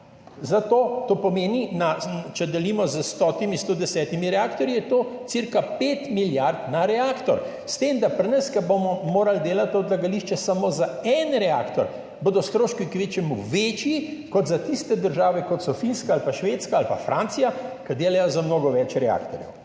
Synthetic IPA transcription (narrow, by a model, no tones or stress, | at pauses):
zat̪oːt̪oːpɔmeːninat͡ʃɛd̪ɛlimɔzəst̪ɔt̪imist̪oːd̪ɛsɛːt̪imiɾɛakt̪ɔɾjijɛt̪oːt̪siɾkapeːt̪miljaɾt̪naɾɛaːkt̪ɔ̰ɾ | st̪eːmd̪apɾinɐskɐbomɔmoːɾald̪eːlat̪ɔd̪laɡaliʃt͡ʃɛsamoːzaɛnɾɛakt̪ɔ̰ɾ | boːd̪ɔst̪ɾoːʃkikʋet͡ʃjɛmuʋet͡ʃjikɔd̪zat̪ist̪ɛd̪əɾʒaːʋɛkɔt̪sɔfinskaːlpaʃʋeːt̪skaːlpafɾʔaːnt̪sijakɐd̪eːlajɔzamnoːɡɔʋɛt͡ʃɾɛa̰kt̪ɔɾjɛ̰w